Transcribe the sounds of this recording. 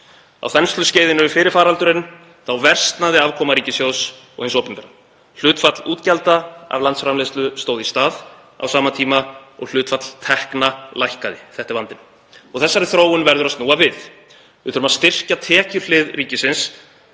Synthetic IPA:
a̰wθɛnst̪lʏsceːjðɪnʏʏfɪːɾɪɾ̥faːɾalt̪ʏɾɪn | θawvɛr̥st̪naðɪavkʰɔːmaɾiːcɪsjows | ɔ̰ɣhɪnsɔːpɪnvɛɾa | l̥ʏːt̪fat̪luːt̪calt̪aa̰vlant̪sfɾamleːst̪lʏst̪oːwðist̪aːð | a̰wsaːmat̪ʰiːmaɔ̰ɣl̥ʏːt̪fat̪lt̪ʰɛhknalajhkaðɪ̰θɛht̪ɪɾvant̪ɪn | ɔɣθɛsːaɾɪθɾoːwʏnvɛɾðʏɾast̪nuːavɪð | vɪθʏɾʏmast̪ɪr̥cat̪ʰɛːcʏɾ̥l̥ɪðriːcɪsɪns

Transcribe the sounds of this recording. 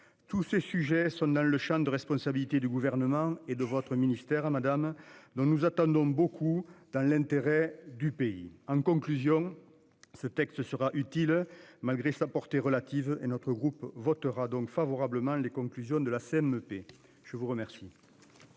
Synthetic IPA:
t̪usesyʒesɔ̃d̪ɑ̃ləʃɑ̃d̪əʁɛspɔ̃sabilit̪ed̪yɡuvɛʁnəmɑ̃ed̪əvɔt̪χəminist̪ɛʁmad̪amd̪ɔ̃nuzat̪ɑ̃nd̪ɔ̃bokʰud̪̥ɑ̃lɛ̃nt̪eʁed̪ypeḭɑ̃ŋkɔ̃ŋklyzjɔ̃ | sət̪ɛkst̪əsəʁaʔyt̪ilmalɡʁesapɔʁt̪eʁəlat̪ivəenɔt̪χəɡʁupvɔt̪əʁad̪ɔ̃ŋkfavɔʁabləmɑ̃lekɔ̃ŋklyzjɔ̃d̪əlaseɛmøpe | ʒ̥əvuʁəmɛʁsi

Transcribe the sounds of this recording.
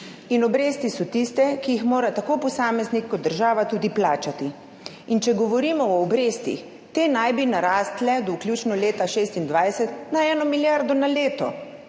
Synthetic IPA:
inɔbɾeːst̪isɔt̪ist̪ɛkijixmoːɾat̪akoːpɔsaːmɛznikːɔd̪̚d̪əɾʒaːʋat̪uːd̪iplaːt͡ʃat̪i | int͡ʃɛɡɔʋɔɾiːmɔɔːbɾeːst̪ḭx | t̪eːnajbinaɾaːst̪lɛd̪ɔwkljut͡ʃnɔleːt̪aʃeːst̪ind̪ʋajsɛt̪naɛːnɔmiljaɾd̪ɔnaleːt̪ɔ

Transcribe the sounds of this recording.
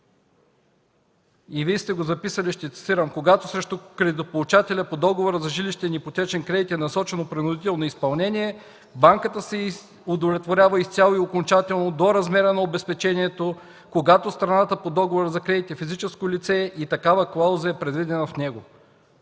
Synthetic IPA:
ivist̪ɛɡozɐpisɐlʲiʃt̪ɛt̪si̥siɾɐmkoɡat̪osɾɛʃt̪okɾɛd̪ʲit̪opolˠut͡ʃat̪ɛlʲɐpod̪ɔɡovoɾəzɐʒiliʃt̪ɛnipot̪ʲɛt͡ʃɛnkɾɛd̪it̪ɛnɐsɔt͡ʃɛnopɾinʊd̪it̪ɛlˠnoispɐlˠnɛniɛ | baŋkət̪əsɛ | ʊd̪ovlʲɛt̪voɾʲjavəist̪ʲalˠoiokont͡ʃat̪ɛlˠnod̪oɾɐzmɛɾənɐobɛspɛt͡ʃɛniɛt̪o | koɡat̪ost̪ɾɐnat̪əpod̪ɔɡovoɾəzɐkɾɛd̪it̪ɛfizit͡ʃɛskolit̪sɛit̪ɐkavəklˠawzɐɛpɾɛd̪vid̪ɛnɐfnɛɡo

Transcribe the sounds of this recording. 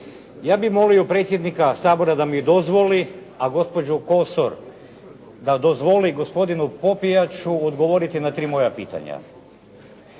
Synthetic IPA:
jaːbimo̞lijupɾe̞t̪sʲje̞d̪nikasaːbo̞ɾad̪amid̪ozʋoli | aɡo̞spo̞d͡ʑuko̞soɾ | d̪ad̪ozʋo̞liɡo̞spo̞d̪inupo̞pijat͡ɕuod̪ɡo̞ʋo̞ɾit̪inat̪ɾiːmo̞japḭːt̪a̰ɲa̰

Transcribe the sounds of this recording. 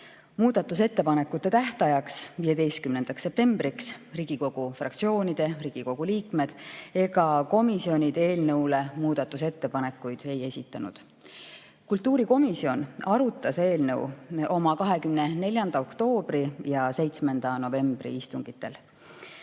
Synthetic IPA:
muːd̪̥ɑt̪ːˑus̬e̞t̪ːe̞pɑne̞kːut̪ːe̞t̪æht̪ɑjɑksvije̞d̪e̞jst̪̚kymne̞nd̪̥ɑksːe̞p̚t̪e̞mb̥riksriːɡ̥iko̞ɡ̥ufrɑ̰k̚t̪sio̞ːnid̪̥e̞riːɡ̥iko̞ɡ̥uliːkme̞d̪̥e̞ɡɑko̞misio̞nʲid̪e̞ːlnɤwle̞muːd̪̥ɑt̪ːˑuse̞t̪ːe̞pɑne̞kːujd̪̥e̞je̞sʲit̪ːˑɑnṵd̪̥ | kult̪ːuːɾiko̞misio̞nɑɾut̪ːˑɑse̞ːlnɤwo̞mɑkɑɦe̞kymnene̞lʲjɑnd̪ɑo̞kt̪o̞ːb̥ɾijɑse̞jt̪sme̞nd̪̥ɑno̞ve̞mb̥rḭist̪uŋɡ̥it̪ːe̞̰l

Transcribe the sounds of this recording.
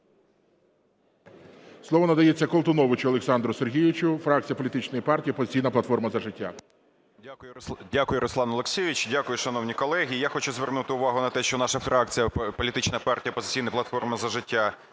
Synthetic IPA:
slˠɔʋɔnɐd̪ɐjet͡sʲːɐkɔlˠt̪ʊnɔʋɪt͡ʃʊɐlˠeksɑnd̪ɾʊserɦʲijʋɪt͡ʃʊfɾɑk̚t͡sʲijɐpɔlʲt̪ɪt͡ʃnɔjipɑrtʲijipɔzɪ̥t͡sʲijnɐplˠɐt̪fɔrmɐzɐʒɪtʲːa̰ | akʊjʊdʲakʊjʊɾʔɔslˠɑnɔlˠeksʲeʋʲit͡ʃdʲakʊjʊʃɐnɔwnʲikɔlˠɛɦʲiːjaxɔt͡ʃʊzʋernut̪ɪʊʋɑɦʊnɐt̪ɛʃt͡ʃɔnɑʃɐfɾɑk̚t͡sʲijɐpɔlʲit̪ɪt͡ʃnɐpɑrtʲijɐpɔzɪ̥t͡sʲijnɐplˠɐt̪fɔrmɐzɐʒɪtʲːa

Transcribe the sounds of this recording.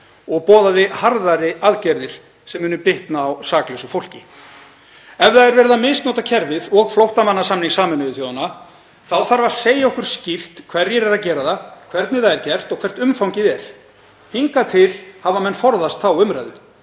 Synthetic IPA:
ɔɣpɔːðaðɪhaɾðaɾɪaðcɛɾðɪɾ̥ | sɛmːʏːnʏpɪht̪naːwsaːklɛsʏfowl̥cɪ | ɛvðaɛɾvɛːɾɪðamɪst̪nɔːt̪acʰɛɾvɪðɔɣflowht̪amanːasamniŋsaːmɪnʏvɪθjowðana | θawθaɾvaseːjaɔhkʏɾ̥scɪft̪kʰv̥ɛɾjɛɾɛɾacɛːɾaðakʰvɛɾt̪nɪθaðɛɾcɛr̥t̪ɔɣkʰv̥ɛr̥t̪ʏmfawŋcɪðɛɾ̥ | hiŋkat̪ʰɪlhavamɛnːfɔɾðast̪θawʏmɾajðʏ

